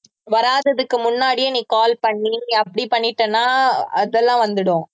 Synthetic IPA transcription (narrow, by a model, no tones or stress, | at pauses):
ʋɐɾaːðɐðɯkːɯmʊnːaːɽɪjeniːkaːlpɐɳːiɐpːɐɽipɐɳːɪʈːɐnːaːɐðɛlːãːʋɐnd̪ɯɽʊ̃